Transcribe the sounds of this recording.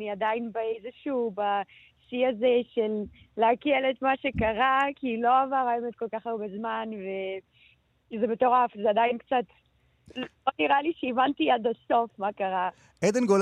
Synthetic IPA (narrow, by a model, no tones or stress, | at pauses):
niadainbaejzeʃuːba | siazeʃelːeakelet̪maʃekaʁakilo̞avaʁajemed̪̚ko̞lkaχaubezmanve | zemet̪o̞ʁafzeadainkt͡sat̪ | loniʁaliʃeivantiad̪aso̞fmakaʁa | ʔed̪enɡol